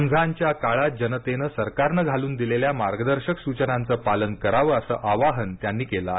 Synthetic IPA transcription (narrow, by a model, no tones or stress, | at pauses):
əŋd͡zʱaɲt͡ɕjakaɭad͡ʑənət̪enəsəɾkaɾnəɡʱaluːnd̪ileljamaɾɡəd̪əɾɕəksut͡ɕənant͡səːpalənkəɾaʋəəsəːʔaʋaɦənt̪janːiːkela